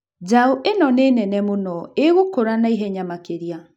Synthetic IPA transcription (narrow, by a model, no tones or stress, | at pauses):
d͡ʒaoʔenɔneːnɛnɛmonɔeɣokoɾanaiɦɛɲamakeɾia